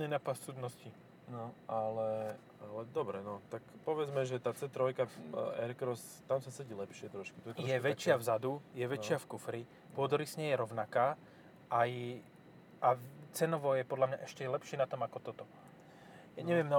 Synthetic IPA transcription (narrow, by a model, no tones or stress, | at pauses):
ninapast͡sud̪nɔsci | nɔʔalɛ | alɛd̪ɔbɾɛnɔt̪akpɔʋɛd͡zmɛʒɛt̪aːt͡sɛt̪ɾɔjkaɛɾkɾɔs | t̪amsasɛɟilɛpʃɪɛt̪ɾɔʃku̥t̪ɔɛt̪jɛʋɛt͡ʃɪavzad̪ujɛʋɛt͡ʃɪafkufɾi | pʊɔd̪ɔɾisɲɛjɛɾɔʊnakaː | ʔaj | ʔat͡sɛnɔʋɔjɛpɔd̪lamɲaʔɛʃcɛlɛpʃɪɛnat̪ɔmakɔt̪ɔt̪ɔ | jaːɲɛʋɪɛmna